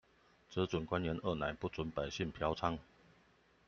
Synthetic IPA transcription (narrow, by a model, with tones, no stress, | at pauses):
t͡sɤ˧˥t͡swʊ˨˩nkwa˦njɛ˧˦nʔə˥˩na̰˧˦npu˥˨t͡sʊ˧˦npa˨˩ɪɕi˥˩ŋpʰjɑ˧˥ʊt͡sʰa˥ŋ